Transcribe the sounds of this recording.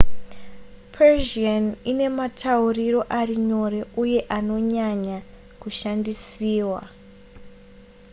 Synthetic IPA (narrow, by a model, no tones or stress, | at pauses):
pʰeʒianine̞matʰauriro̞ʔariɲo̞ɾe̞uje̞ʔano̞ɲaɲa | kuʃandisiːwa̰